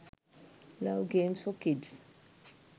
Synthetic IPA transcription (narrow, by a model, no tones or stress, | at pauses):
laʊɡẽmsfɔkids